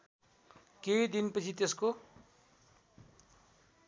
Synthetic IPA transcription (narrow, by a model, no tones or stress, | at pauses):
kejd̪inpʌt͡sʰit̪esko